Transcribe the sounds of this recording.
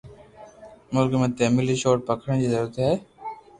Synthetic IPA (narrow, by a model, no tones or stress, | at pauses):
mʊlkmẽːt̪eːmiliʃoːʈ̚pəkʰɽəñd͡ʑizəɾuːɾət̪ɦɛː